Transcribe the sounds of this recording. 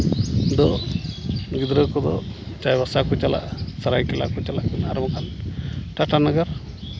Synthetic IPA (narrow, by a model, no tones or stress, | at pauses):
d̪ɔ | ɡid̪ɾəkɔd̪ɔ | t͡ʃajbasakɔt͡ʃala̰saɾajkɛla̰kɔt͡ʃala̰ʔkunaɾmɔkʰanʈaʈanaɡaɾ